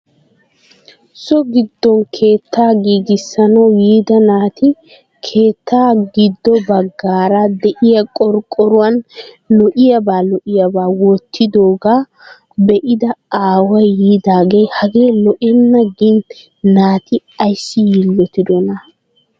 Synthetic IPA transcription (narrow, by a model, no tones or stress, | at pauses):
sɔɡɪd̪ːɔŋkʰe̞ːt̪ʰːaːɡiːɡɪsːɐnɐwjiːd̪ɐnaːt̪ɪ | kʰe̞ːt̪ʰːaːɡɪd̪ːɔbɐɡːaːɾɐd̪ɛʔɪjɐkʼɔɾkʼːɔɾʊwɐn | lɔʔɪjɐbaːlɔʔɪjɐbaːwɔt̪ʰːɪd̪oːɡaː | bɛʔɪd̪ɐaːwɐjjiːd̪aːɡejhɐɡe̞ːlɔʔɪnːɐɡɪn | naːt̪ɪ | ɐjsːɪjɪlːɔt̪ɪd̪ɔnɐ